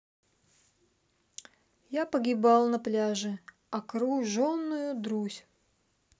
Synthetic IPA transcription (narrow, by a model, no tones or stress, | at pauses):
japəɡʲɪbalˠnɐplʲaʐɨ | ɐkɾuʐonːʊjʊd̪ɾusʲ